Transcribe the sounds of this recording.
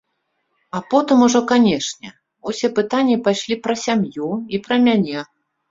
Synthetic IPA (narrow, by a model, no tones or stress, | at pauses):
apɔt̪ɨmuʐɔkanʲɛʂnʲɛ | usʲɛpɨt̪anʲːipajʂlʲipɾɐsʲamjuipɾɐmʲanʲɛ